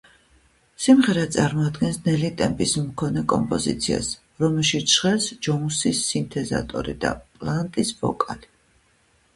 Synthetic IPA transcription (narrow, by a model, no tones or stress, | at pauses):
simʁɛɾat̪sʼaɾmɔad̪ɡɛnsnɛlit̪ʼɛmpʼismkʰɔnɛkʼɔmpʼɔzḭt̪sʰia̰s | ɾɔmɛlˠʃiʃχɛlsd͡ʒɔũsisːint̪ʰɛza̰t̪ʼɔ̰ɾid̪a̰pʼlˠant̪ʼisvɔ̰kʼali